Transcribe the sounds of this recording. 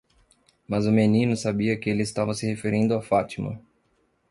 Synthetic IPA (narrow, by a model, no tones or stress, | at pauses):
mɐzʊmenĩnʊsabiɐkɪelɪːst̪avɐsɪhefeɾĩnd̪ʊafat͡ʃimɐ̰